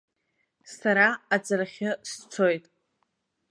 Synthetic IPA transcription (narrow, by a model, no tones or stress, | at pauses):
saɾaat͡sʼaraχʲɪst͡sʷʰo̞jtʼ